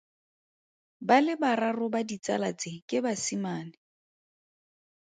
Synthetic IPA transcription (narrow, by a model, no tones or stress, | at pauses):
balɪbararʊbadit͡sʼa̰lat͡sʼɪkʼɪbasimaːnɪ